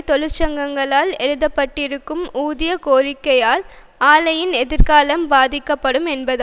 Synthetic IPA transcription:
t̪ɔɻɯɾt͡ʃɐŋɡɐŋɡɐɭaːlɛɻɯðɐpːɐʈːɪɾɯkːɯmuːðɪjɐkoːrɪkːɐjaːl | aːlɐjɪnɛðɪɾkaːlɐmbaːðɪkːɐpːɐɽɯmɛnbɐð

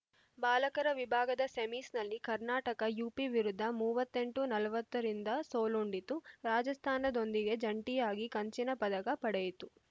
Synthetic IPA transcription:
baːlɐkɐɾɐʋibʱaːɡɐd̪ɐsemisnɐlːikɐɾnaːʈɐkɐjuːpiʋiɾud̪ʱːɐmuːʋɐt̪ːe̞ɳʈunɐlɐʋɐt̪ːɐɾind̪ɐsoːluɳɖit̪uɾaːd͡ʒɐst̪ʰaːnɐd̪o̞nd̪iɡe̞d͡ʒɐɳʈijaːɡikɐɲt͡ʃinɐpɐd̪ɐkɐpɐɽejit̪u

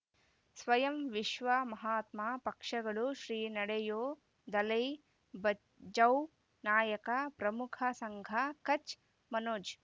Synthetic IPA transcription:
sʋɐjɐmʋiʃʋɐmɐɦaːt̪maːpɐkʂɐɡɐɭuʃɾiːnɐɽɐjoː | d̪ɐlɐj | bɐ | d͡ʒɐw | naːjɐkɐpɾɐmukʰɐsɐŋɡʱɐkɐt͡ʃ | mɐnoːd͡ʒ

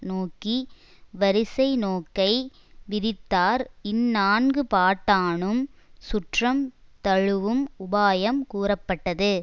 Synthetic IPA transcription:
noːki | ʋɐɾɪsɐɪnoːkːɐɪ | ʋɪðɪt̪ːaːɾɪnːaːnɡɯpaːʈːaːɳɯmsʊʈrɐmt̪ɐɻɯʋɯmʊbaːjɐmkuːrɐpːɐʈːɐðɯ

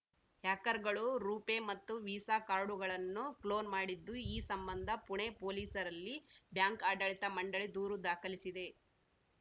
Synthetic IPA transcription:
haːkɐɾɡɐɭuɾuːpemɐt̪ːuʋiːsaːkaːɾɖuɡɐɭɐnːuklo̞ːnmaːɽid̪ːuiːsɐmbɐnd̪ʱɐpuɳepo̞ːliːsɐɾɐlːibjaːŋkaːɖɐɭit̪ɐmɐɳɖɐɭid̪uːɾud̪aːkɐlisid̪e̞

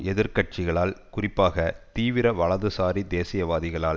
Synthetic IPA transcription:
ɛðɪɾkɐʈ̚t͡ʃɪɣɐɭaːlkʊrɪpːaːɣɐt̪iːʋɪɾɐʋɐɭɐðɯsaːɾid̪eːsɪjɐʋaːðɪɣɐɭaːl

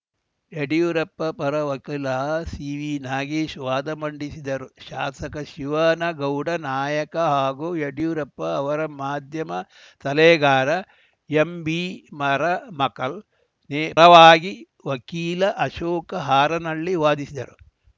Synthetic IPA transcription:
jeɽijuɾɐpːɐpɐɾɐʋɐkiːlɐsiːʋiːnaːɡiʃʋaːd̪ɐmɐɳɖisid̪ɐɾuʃaːsɐkɐʃiʋaːnɐɡɐwɖɐnaːjɐkɐɦaːɡujeɽijuɾɐpːɐːʋɐɾɐmaːd̪ʱjɐmɐ | t̪ɐleːɡaːɾɐ | jembimɐɾɐmɐkɐl | neːɾɐʋaːɡi | ʋɐkiːlɐʔɐʃoːkɐɦaːɾɐnɐɭːiʋaːd̪isid̪ɐɾu

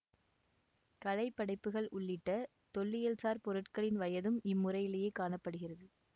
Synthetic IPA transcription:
kɐlɐɪpːɐɽɐɪpːɯɣɐɭʔʊɭːɪʈːɐ | t̪ɔɭːɪjɐlsaːɾpɔɾɯʈkɐɭɪnʋɐjɐðɯmɪmːʊɾɐɪɪlɐjeːkaːɳɐpːɐɽɯɣɪrɐðɯ

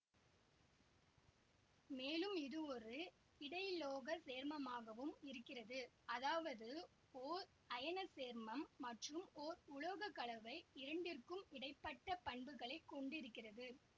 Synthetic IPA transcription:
meːlɯmɪðɯɔɾɯ | ɪɽɐɪloːɣɐseːɾmɐmaːɣɐʋɯmɪɾɯkːɪrɐðɯ | ɐðaːʋɐðɯ | oːɾ | ɐjɐnɐseːɾmɐmːɐʈrɯmɔɾʊɭɐɣɐkɐɭɐʋɐɪɪɾɐɳɖɪrkɯmɪɽɐɪpːɐʈːɐpɐɳbɯɣɐɭɐɪkːɔɳɖɪɾɯkːɪrɐðɯ

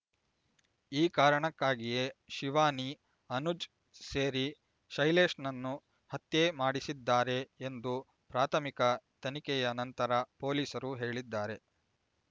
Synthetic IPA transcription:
iːkaːɾɐɳɐkːaːɡije̞ʃiʋaːni | ɐnud͡ʒ | seːɾi | ʃɐjleːʂnɐnːu | hɐt̪jemaːɽisid̪ːaːɾe̞ːnd̪u | pɾaːt̪ʰɐmikɐt̪ɐnikɛjɐnɐnt̪ɐɾɐpo̞ːliːsɐɾuɦe̞ːɭid̪ːaːɾe̞

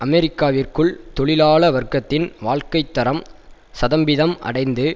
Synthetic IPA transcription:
ʔɐmɛɾɪkːaːʋɪrkɯɭt̪ɔɭɪlaːɭɐʋɐrkɐt̪ːɪnʋaːɻkɐɪt̪ːɐɾɐm | sɐðɐmbɪðɐmɐ̰ɽɐɪnd̪ɯ

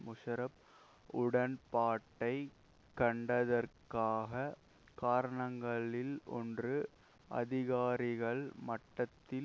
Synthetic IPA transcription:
mʊʂɐɾɐp | ʊɽɐnpaːʈːɐɪ | kɐɳɖɐðɐrkaːɣɐ | kaːɾɐɳɐŋɡɐɭɪlʔɔ̰ndrɯ | ʔɐ̰ðɪɣaːɾɪɣɐɭmɐʈːɐt̪ːɪl

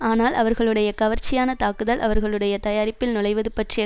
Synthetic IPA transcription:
aːnaːlʔɐʋɐɾɣɐɭɯɽɐjɐkɐʋɐɾt͡ʃːɪjaːnɐt̪aːkɯðɐlʔɐ̰ʋɐɾɣɐɭɯɽɐjɐt̪ɐjaːɾɪpːɪlnʊlɐɪʋɐðɯpɐʈrɪɐ

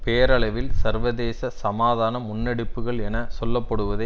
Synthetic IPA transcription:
peːɐɾɐɭɐʋɪlsɐɾʋɐðeːsɐsɐmaːðaːnɐmʊnːɛɽɯpːɯɣɐɭɛnɐsɔlːɐpːɐɽɯʋɐðɐ

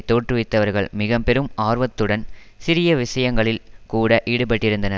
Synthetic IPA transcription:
t̪oːʈrɯʋɪt̪ːɐʋɐɾɣɐɭmɪɣɐmpɛɾɯmaːɾʋɐt̪ːɯɽɐn | sɪɾɪjɐʋɪʂɐjɐŋɡɐɭɪlkuːɽɐʔiːɽɯpɐʈːɪɾɯnd̪ɐnɐ

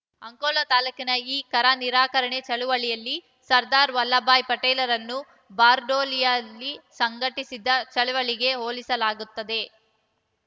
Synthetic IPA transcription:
ɐŋkoːlɐt̪aːlɐkinɐiːkɐɾaniɾaːkɐɾɐɳe̞t͡ʃɐɭuʋɐɭijɐlːi | sɐɾd̪aːɾʋɐlːɐbaːjpɐʈeːlɐɾɐnːu | baːɾɖoːlijɐlːisɐŋɡɐʈisid̪ɐt͡ʃɐɭuʋɐɭiɡe̞ɦoːlisɐlaːɡut̪ːɐd̪e̞

